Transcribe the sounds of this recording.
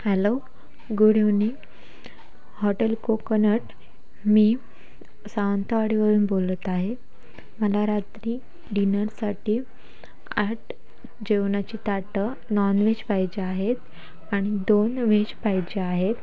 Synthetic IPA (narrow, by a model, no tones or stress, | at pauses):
hɛlo | ɡuɽeʋni | hɔʈəlkokənəʈ | miː | saʋənt̪əʋaɽiʋəɾuːnbolət̪aɦe | məlaɾat̪ɾiː | ɖinəɾsaʈiː | aʈ | d͡ʑeʋnat͡ɕiːt̪aʈə | nɔnʋed͡ʑpajd͡ʑeaɦet̪ | aɽ̃id̪onʋed͡ʑpajd͡ʑeaɦet̪